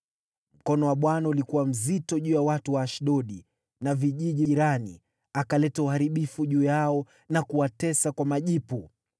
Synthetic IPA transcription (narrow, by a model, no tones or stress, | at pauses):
m̩kɔnɔwaɓwanaulikuwam̩zitɔʄuːjawatuwaːʃɗɔɗi | naviʄiʄiiɾani | akalɛtauhaɾiɓifuʄuːjaɔ | nakuwatɛsakwamaʄipu